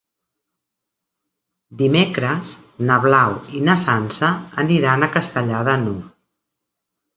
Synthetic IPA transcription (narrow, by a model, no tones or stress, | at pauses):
d̪imekɾəz | nəβlawinəsansəːniɾanəkəst̪əʎaðənu